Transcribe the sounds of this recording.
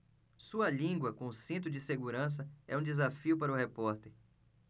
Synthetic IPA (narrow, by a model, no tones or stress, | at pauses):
suɐlĩɡwɐkõʊsĩnt̪̬ʊd͡ʒɪseɡuɾɐ̃s̬ɐɛũd͡ʒɪzafiʊpaɾɐʊhepɔɾt̪eɾ